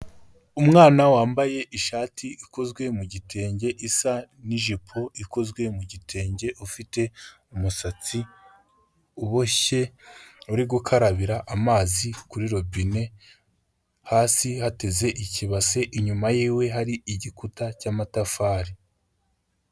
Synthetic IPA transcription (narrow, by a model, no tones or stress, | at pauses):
umŋaːnawaːmbaje̞ʔiʃaːtʰiiko̞zɡwe̞muɟitʰe̞ːɲɟe̞ʔisa | niʒipʰoiko̞zɡwe̞muɟitʰe̞ːɲɟe̞ʔufite̞ | umusat͡si | uβoçe̞uɾiɡukʰaɾaβiɾaʔːmaːzikuɾiɾo̞bine̞ | haːsihate̞ze̞ʔiciβase̞ʔiɲumajiːwe̞ɦaɾiiɟikutacaːmatafaːɾi